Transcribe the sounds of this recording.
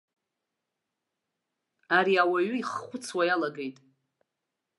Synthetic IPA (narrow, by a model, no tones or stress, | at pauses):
aɾiawaɥiχχʷʊt͡sʰwajalaɡe̞jtʼ